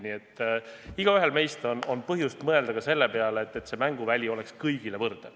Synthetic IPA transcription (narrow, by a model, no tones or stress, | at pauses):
niet̪ːˑiɡ̥ɑyɦe̞lme̞jst̪o̞no̞npɤɦjust̪mɤe̞ld̪̥ɑɡ̥ɑse̞lːe̞pe̞ɑleːt̪ːˑet̪se̞mæŋɡ̥uvælʲio̞le̞kskɤjɡ̥ile̞vɤrd̪̥e